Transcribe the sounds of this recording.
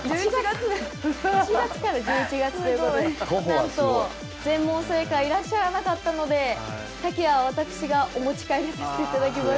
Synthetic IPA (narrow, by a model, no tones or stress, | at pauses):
iiɡaɨ | it͡ɕiat͡sɨ̥kaɾad͡ʑɨːit͡ɕiɡat͡sɨ̥onãnt̪o̞ | d͡zẽ̞mːõɰ̃se̞ːkaiɾaɕːaɾanakat̪ːano̞d̪e̞ | t̪akʲiβaβat̪akɯ̟̥ɕiɡaʔo̞mo̞t͡ɕi̥kaiɾesaɕi̥t̪e̞it̪ad̪ak̬ʲima